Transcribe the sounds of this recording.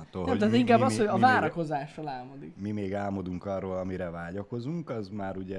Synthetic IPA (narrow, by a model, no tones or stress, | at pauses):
ɒt̪ːolnɛmot̪at̪iŋkaːbbːɒshoɟɒvaːɾɒko̞zaːʃrolaːmod̪ikmimeːɡaːmo̞d̪uŋkɒrːoːlɒmiɾɛvaːɟɒko̞zuŋkɒzmaːɾuɟɛ